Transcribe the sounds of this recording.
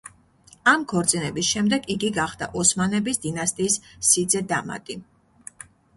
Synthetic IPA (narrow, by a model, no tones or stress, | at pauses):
amkʰɔɾt̪sʼinɛbisʃɛmd̪ɛɡiɡiɡaχd̪a̰ʔɔsmanɛbisd̪inast̪ʼiːssid̪zɛd̪ama̰t̪ʼi